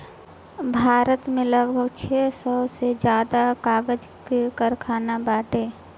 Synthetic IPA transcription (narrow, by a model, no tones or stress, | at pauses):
bʱaːɾət̪mẽləɡbʱəɡt͡ʃʰesəbsed͡ʒjaːd̪akaːɡəd͡ʒ | kekəɾkʰaːnabaːʈe